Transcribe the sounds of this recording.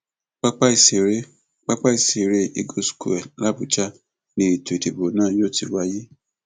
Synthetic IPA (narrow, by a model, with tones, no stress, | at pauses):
k͡pa˦k͡pa˦i˨se˨ɾe˦ | k͡pa˦k͡pa˦i˨si˨ɾe˦i˧ɡo˦sku˦˨ɛ˨la˦bu˨t͡ʃa˦ | nĩ˧˦i˨tu˨de˨bo˨˦nãː˦jo˦˨ti˧wa˧ji˦